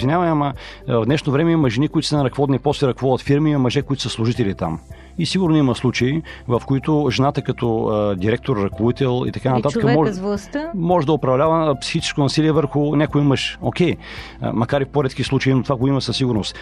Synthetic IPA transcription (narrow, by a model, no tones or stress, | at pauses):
zvinʲavɐnɛamɐvd̪nɛʃnovɾɛmɛimɐʒɛnikʊit̪ʊ̥sənɐɾɐkvɔd̪nipɔslɛɾɐkvɔɐt̪fiɾmiimɐmɐʒɛkoit̪ʊ̥səslˠuʒit̪ɛlit̪a̰m | isiɡʊɾnimɐslˠut͡ʃəivɐfkoit̪ʊʒɛnat̪əkɐt̪ɔd̪iɾɛk̚t̪oɾːɐkoit̪ɛlˠḭt̪ɐkanɐt̪at̪kəmɔʒvlˠɐst̪mɔʒɛd̪ɐopɾɐvlʲavəpsi̥xit͡ʃɛ̥skoʊnɐsiliɛvəɾxʊnʲakʊjiməʃokʲɛj̰ | mɐkaɾifpoɾɛt̪kislˠut͡ʃəinot̪ovaɡoimɐsɐsːiɡʊɾnost̪